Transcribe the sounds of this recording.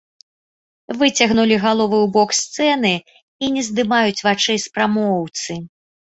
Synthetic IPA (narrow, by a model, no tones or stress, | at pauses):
vɨt͡sʲɐɣnulʲiɣalˠɔvɨwbɔkst̪sɛn̪ɨ | inʲɛzd̪ɨmajut͡sʲvat͡ʂɨspɾamɔwt̪sɨ